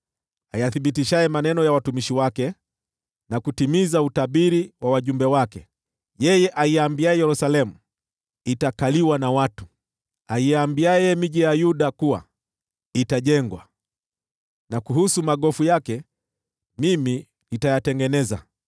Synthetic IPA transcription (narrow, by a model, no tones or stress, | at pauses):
ajaθiɓitiʃajɛmanɛnɔjawatumiʃiwakɛ | nakutimizautaɓiɾiwawaʄumbɛwakɛ | jɛjɛʔaiambiajɛjɛɾusalɛmu | itakaliwanawatu̥ | aiambiajɛmiʄijajuɗakuwa̰ | itaʄɛŋɡwa̰ | nakuhusumaɠɔfujakɛ | mimi | nitajatɛŋɡɛnɛza̰